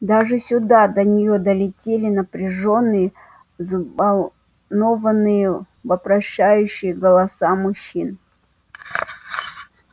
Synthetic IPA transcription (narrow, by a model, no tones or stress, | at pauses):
d̪aʐɨsʲʊd̪ad̪ənʲɪjod̪əlʲɪtʲelʲɪnəpɾʲɪʐo̞nːɨjə | zəvɐlˠ | no̞vənːɨjə | vəpɾɐɕːæjʉɕːɪjəɡəlˠɐsamʊɕːin